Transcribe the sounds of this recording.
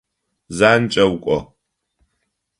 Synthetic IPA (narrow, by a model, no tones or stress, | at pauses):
zaːnt͡ʃʼɐwkʷʼɔ̰